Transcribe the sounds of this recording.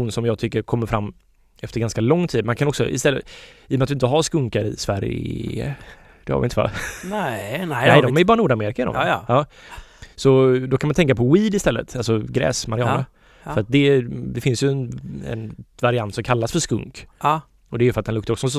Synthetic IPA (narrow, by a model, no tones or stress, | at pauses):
uːnsɔmjɑːɡ̚t̪ʏkːəɾkʰɔmːəɾfɾamː | ɛft̪əɾɡanskalɔŋːt̪ʰiːd̪mankʰanɔksɔ̰ʔɪ̰st̪ɛlːəiːɔmat̪d̪ɪnt̪əɦaʂkɵŋkaɾɪ̰svæ̰ɾə̰ | d̪̥ɛha̰vɪəva̰ | nɛɪd̪ɔmæɾjbɑːɾanuːɖameːɾɪkaɪd̪ɔ̰mʔɑː | sɔd̪ɔkʰanmant̪ʰɛŋkːapʰɔwiːd̪ɪst̪ɛlːə̰t̪alsɔɡɾɛ̰ːsmaɾɪɑːnə | fœɾat̪̚d̪ɛd̪ɪfɪnsjɵɛnɛ̰nvaɾɪant̪sɔmkʰalːasfœʂkɵ̰ŋkː | ɔd̪ɛæjʏfœɾat̪d̪ɛnɵkt̪əɾɔksɔsɔ